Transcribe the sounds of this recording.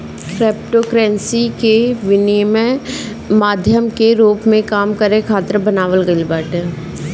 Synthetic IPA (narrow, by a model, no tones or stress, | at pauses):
kɾɛːp̚ʈoːkɾɛ̃ːnsikeʋɪnme | maːd̪ʱjəmkeɾuːpmẽkaːmkəɾẽkʰaːt̪ɾəbənaːʋəlɡəibaːʈe